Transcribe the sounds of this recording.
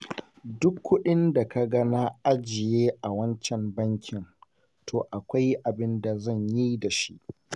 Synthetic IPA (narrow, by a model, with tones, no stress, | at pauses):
dʊ˦kʰʷːʊ˦ɗɪ˦nda˨ka˦ɡɐ˦na˦ʔa˦d͡ʒɪ˨jeː˦ʔa˨wɐ˦nt͡ʃɛ˨mbɐ˦ŋkʲʰɪ˨n | tʰoː˨ʔa˨kʷa˦jʔa˨bɪ˦nda˨zɐ˦˨ɲji˦da˨ʃi˦ʔ